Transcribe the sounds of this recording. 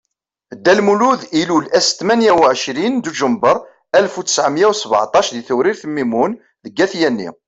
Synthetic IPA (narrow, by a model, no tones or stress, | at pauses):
d̪ːælmuluðilulæst̪mænjæwʕəʃɾind̪uʒəmbəɾˤ | ælfuə̥sʕmjæwsəbʕa̰t̪ˤɑʃðiθʊɾiɾθəmːimun | ðəɡːæθjænːḭ